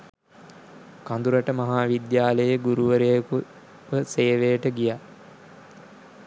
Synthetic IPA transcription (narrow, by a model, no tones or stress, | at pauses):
kand̪uɾəʈəmaɦaːʋid̪jaːləjəɡuɾuʋəɾejku | ʋəseːʋejəʈəɡija